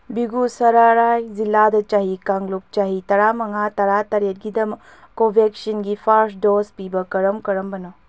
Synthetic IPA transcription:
biɡusɐɾaɾajzilːadɐt͡ʃaɦikaŋluk̚t͡ʃaɦitɐɾamɐŋatɐɾatɐɾet̚ɡidɐm | kobʱeksinɡipʰaɾsdospibɐkɐɾɐmkɐɾɐmbɐnɔ

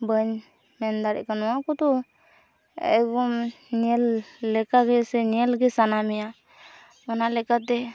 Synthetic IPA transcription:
bəɲ | mɛnd̪aɾɛ̰ʔkanɔwakɔt̪ɔ | ɛ̰ɡɔm | niɛlːɛkaɡɛsɛniɛlɡɛsanamɛja | ɔnalɛkat̪ɛ

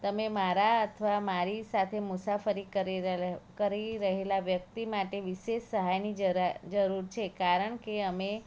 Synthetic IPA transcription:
t̪əmemaɾaət̪ʰəʋamaɾisat̪ʰemʊsafəɾikəɾkəɾiɾəɦelaʋjək̚t̪imaʈeʋiʃeʃsəɦajnid͡ʒəd͡ʒəɾuɾt͡ʃʰekaɾəɳkeəme

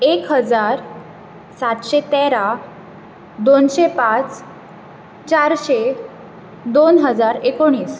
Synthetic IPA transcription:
ekɦəd͡zaɾ | sat̪ɕet̪eɾa | d̪onɕepat͡s | t͡ɕaɾɕe | d̪onɦəd͡zaɾekoɽ̃iːs

